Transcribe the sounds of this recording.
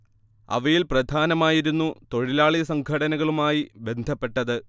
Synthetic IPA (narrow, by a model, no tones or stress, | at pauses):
ɐ̰ʋɐjilprɐd̪ʱaːnɐmaːjiɾunːut̪o̞ɻilaːɭiɐsɐŋɡʰʱɐɽɐnɐɣɐɭumaːjibe̞nd̪ʱɐpːe̞ʈːɐðɨ